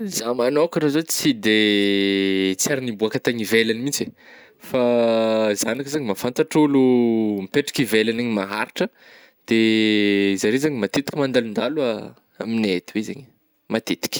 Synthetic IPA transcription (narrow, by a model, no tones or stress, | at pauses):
zamanokʲanazot͡sid̪e | t͡siaɾinibuakat̪aɲivelanimint͡se | fa | zanikizaɲimafant̪aʈ͡ʂulumipeʈ͡ʂḁkivelaneɲimaɦaɾiʈ͡ʂə | d̪̥e | zaɾezaɲimat̪et̪i̥kʲimand̪alund̪alua | aminet̪iwezeɲ | mat̪et̪i̥kʲi̥